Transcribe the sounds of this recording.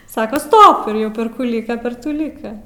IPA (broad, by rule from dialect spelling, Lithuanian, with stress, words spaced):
ˈsɑːkɐ ˈstoːp ɪr ˈjɛʊ pʲɛr ˈkuː ˈlʲiːkɐ pʲɛr ˈtuː ˈlʲiːkɐ